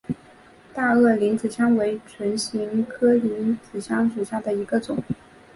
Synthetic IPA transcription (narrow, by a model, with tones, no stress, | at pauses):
t̪a˥˧ɤ˥˩li˧˥nt͡sɹ̩˨˩ɕjɑ˥ŋwe˧˥ɪʈ͡ʂʰwə˧˥nɕi˧˥ŋkʰɤ˥li˧˥nt͡sɹ̩˨˩ɕʰjɑ˥ŋʂu˨˩ɕja˥˩d̪ə˩i˧˥ɡə˧t͡sʊ˨˩˦ŋ